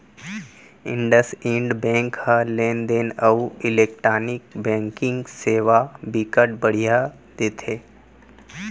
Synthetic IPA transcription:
ɪ̃ɳɖəsĩːɳɖbɛ̃ːŋkhəlẽːnd̪enəuɪleːk̚ʈɾaːnɪk̚bɛ̃ːŋkɪ̃ŋɡseːʋabikəʈ̚bəɽ̤ija | d̪̥eːt̪ʰeː

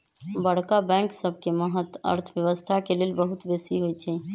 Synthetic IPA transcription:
bəɽkabɛ̃ŋksəb̚ʱkeməɦət̪ə̰ɾt̪ʰbjəβəst̪ʰakelelbəɦut̪besiɦojt͡ʃʰɛ

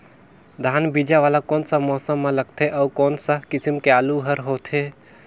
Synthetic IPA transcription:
d̪ʱaːnbid͡ʒaʋaːlakɔːnsamɔːsəmːãlɐɡ̚t̪ʰeʔɔːkɔːnsakɪsəmkeaːluɦəɾɦoːt̪ʰɦe

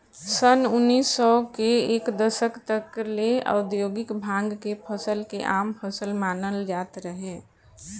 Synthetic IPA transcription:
sənʊnːiːsːɔkeeːkd̪əsəkt̪əklea̰ʊd̪joːɡɪkbʱãːŋɡkepʰəsəlkeʔaːmpʰəsəlmaːnəld͡ʒaːt̪ɾəɦeː

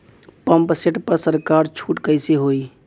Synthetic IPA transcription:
pəmpseʈpəɾsəɾkaɾt͡ʃʰuʈkəɪseɦoi

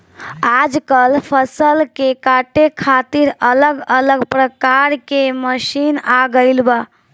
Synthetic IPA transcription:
ad͡ʒkəlpʰəsəlkekaʈekʰat̪iɾələɡələɡpɾəkaɾkeməʃinaɡəɪlba

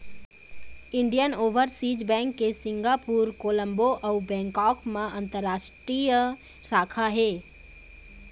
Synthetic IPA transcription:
ɪ̃ɳɖijənoːʋəɾsiːd͡ʒbɛ̃ːŋkːesɪ̃ŋɡapuːɾkoːlə̃mboʔɐwbɛ̃ːŋkɔːkmãʔɐ̃nt̪əɾːaːʃʈɾij | saːkʰaɦeː

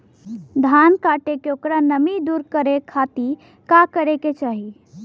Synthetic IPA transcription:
d̪ʱankaːʈekeokɾanəmid̪uɾkəɾekʰat̪i | kakəɾeket͡ʃaːɦi

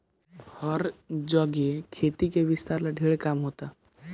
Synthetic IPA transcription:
hɔɾd͡ʒɔɡekʰet̪ikeʋɪst̪aːɾlaɖʱeːɭkamɦoːt̪a

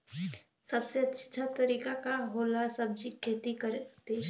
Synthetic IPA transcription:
səbseɐtːʃʰt͡ʃʰat̪əɾiːkakaɦoːlasəb̚d͡ʒikʰːeːt̪ikəɾt̪e

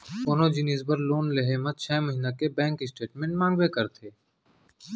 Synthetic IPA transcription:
koːnod͡ʒɪneːzbəɾloːnleɦemə̃t̪̚t͡ʃʰɛːməɦinakebɛ̃ːŋkɪsʈeːʈmẽːɳʈmãːŋɡwekɐɾt̪ʰeː

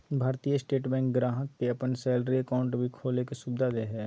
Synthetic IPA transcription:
bʱaːɾt̪ijəsʈeːʈbɛ̃ŋkɡɾaːɦək̚ːeɐpənsɛːlɾiəkaːʊ̃ɳʈbʱikʰoːlekesubd̪ʱad̪eɦɛː

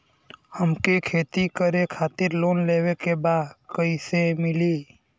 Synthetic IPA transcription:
həmkekʰeːt̪ikəɾekʰaːt̪ɪɾloːnleːwekebaːd̪kəisemɪliː

